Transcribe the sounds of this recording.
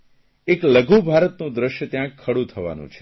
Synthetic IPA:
ekləɡʱũbʱaɾət̪nũd̪ɾəʃjət̪jãkʰːəɽũt̪ʰəʋa̰nṵ̃t͡ʃʰe

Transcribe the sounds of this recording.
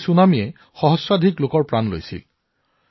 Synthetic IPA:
sunamijɛ | xɔɦɔswadʱiklokɔɹpɹanlo̰jsḭl

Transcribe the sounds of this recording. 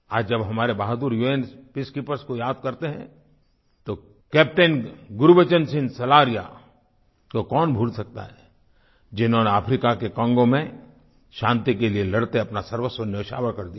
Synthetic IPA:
aːd͡ʒd͡ʒɐbɦɐmaːɾebaːɦd̪uɾjueːnspɪskipəɾskojaːd̪̚kɐɾt̪eɦɛ̰̃ | t̪o | kɛːp̚ʈenɡʊɾubət͡ʃənsɪ̃nsɐlaːɾija̰ | kokɔːnbʱuːlsɐk̚t̪a̰ɦɛː | d͡ʒɪnɦõneaːpʰɾiːkakekɐ̃ːŋɡõmẽ | ʃãːnt̪ikelielɐɽt̪eɐpnasɐɾwəswənɪʋɪʃa̰ːʋəɾkɐɾd̪ija

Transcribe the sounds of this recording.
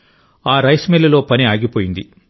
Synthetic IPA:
aːɾɐjsmelːɐlo̞ːpɐniaːɡipoːjind̪i

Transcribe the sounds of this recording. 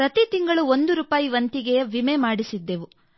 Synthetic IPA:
ɾɐt̪it̪iŋɡɐɭuo̞nd̪uɾuːpaːjiʋɐnt̪iɡɛjɐʋimemaːɽisid̪ːeʋu

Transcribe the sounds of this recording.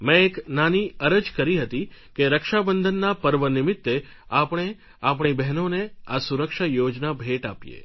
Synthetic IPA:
mẽeknaniəɾəd͡ʒkəɾiɦət̪ikeɾəkʃabənd̪ʱənːapəɾʋənɪmɪt̪ːe | apɳ̃e | apɳ̃ibɛɦnoneasuɾəkʃajod͡ʒnabʱeʈapjḛ

